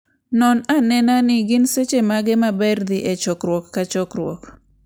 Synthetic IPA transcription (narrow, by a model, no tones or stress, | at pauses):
nɔnanɛnanɪɡɪnset͡ʃemaɡɛmabɛrd̪ɪʔet͡ʃɔkɾwɔkːat͡ʃɔkɾwɔ̰k